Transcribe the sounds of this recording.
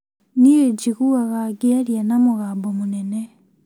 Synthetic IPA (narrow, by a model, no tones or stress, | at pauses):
nieɟiɣuaɣaɡialjanamuɣambomunene